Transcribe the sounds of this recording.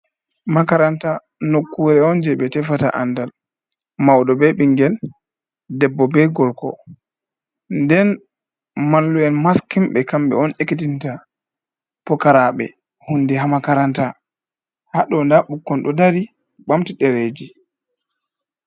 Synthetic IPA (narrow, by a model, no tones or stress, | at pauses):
makaɾanta | nokːuɾɛɔnd͡ʒɛbɛtɛfata̰ʔa̰ndal | mawdɔbɛɓiŋɡɛl | dɛbːɔbɛɡɔlkɔ̰ | ndɛn | malːuɛnmaskimɓɛkamɓɛ̰ɔnekitinta | pɔkaɾaɓɛ̰ | hunːdɛhɦamakaɾanta | haɗɔndaɓukːɔnɗɔdaɾi | ɓamtiɗɛɾeːd͡ʒi